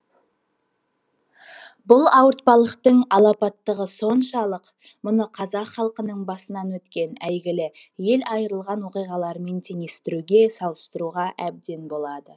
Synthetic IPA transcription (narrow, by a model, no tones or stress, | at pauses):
bʊlˠɑwəɾt̪̚pɑlˠəqt̪əɴɑlˠɑpɑt̪ːəʁəso̞nʃɑlˠəq | mʊnəqʰɑzɑqχɑlˠqənəɴbɑsənɑnwɵt̪kʲe̞næjɡʲɪlɪ | je̞lɑjəɾəlˠʁɑnwo̞qijʁɑlˠɑɾme̞nt̪ʰe̞ŋe̞st̪ɪɾuɡʲe̞sɑlˠəst̪əɾuʁɑʔæb̚d̪e̞nbo̞lˠɑd̪ə